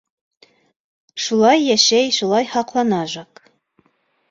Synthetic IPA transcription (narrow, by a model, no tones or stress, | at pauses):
ʃulˠɑjːæʃæjʃulˠɑjhɑqlˠɑnɑʒɑk